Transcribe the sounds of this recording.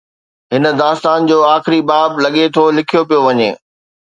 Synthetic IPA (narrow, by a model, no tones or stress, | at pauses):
ɦɪnə̆d̪aːst̪aːnd͡ʑoːaːxɪɾibaːblɐɠet̪ʰoːlɪkʰijopijoʋɐɲḛː